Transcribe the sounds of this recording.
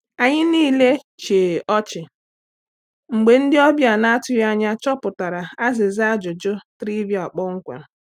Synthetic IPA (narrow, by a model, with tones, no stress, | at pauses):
a˨ɲɪ˦niː˦le˦ | t͡ʃeː˨ʔɔ˦t͡ʃɪ˨ | ŋ͡m̩˨ɡ͡be˨n̩˦dɪ˦ɔ˦bja˨na˦a˦tʊ˦ja˦ɲa˦t͡ʃɔ˦pʊ˨ta˨ɾa˨a˦zɪ˨za˦d͡ʒʊ˨d͡ʒʊ˦tɾi˦bi˨a˨k͡pɔ˦ŋ̩˦kʷḛ˨